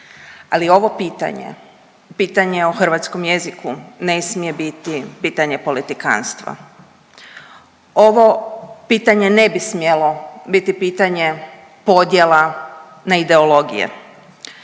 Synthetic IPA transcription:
alio̞ʋo̞piːt̪a̰ɲḛ | piːt̪aɲe̞oxr̩ʋat̪sko̞mje̞zikune̞smije̞bit̪ipiːt̪aɲe̞po̞lit̪ika̰ːnst̪ʋa̰ | o̞ʋo̞piːt̪aɲe̞ne̞bismjelo̞bit̪ipiːt̪aɲe̞ | po̞d̪je̞la | naid̪e̞o̞lo̞ɡḭjḛ

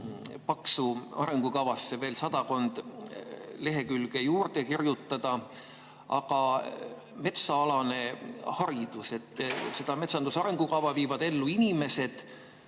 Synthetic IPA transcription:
pɑksuɑ̰ɾe̞ŋɡ̥ukɑvɑsːe̞ve̞ːlsɑd̪̥ɑko̞nd̪̥ | le̞ɦe̞kylɡ̥e̞juːrd̪ekirjut̪ːˑɑd̪̥ɑ | ɑ̰ɡɑ | me̞t̪sɑɑlɑne̞hɑɾid̪̥use̞t̪ːˑse̞d̪ɑme̞t̪sɑnd̪usɑɾe̞ŋɡ̥ukɑvɑviːvɑd̪̥e̞lːuinime̞se̞d̪̥

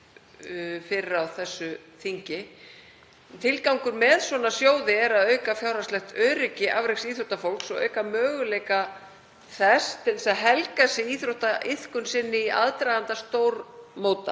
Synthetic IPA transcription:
fɪɾɪɾawθɛsːʏ | θiɲcɪ | nt̪ʰɪlkawŋkʏɾmɛðswɔnasjoːwðɪɛɾaðœːɥkafjawɾaslɛxt̪œːɾɪcɪʔavɾɛksiθɾowt̪afowlksɔɣœ̰ːɥkamœːɣʏlɛjka | θɛst̪ɛlsaðɦɛlkasɪiθɾowht̪aʔɪθkʏnsɪnːɪiʔa̰ðt̪ɾajðant̪ast̪oːwɾmoːwt̪a̰

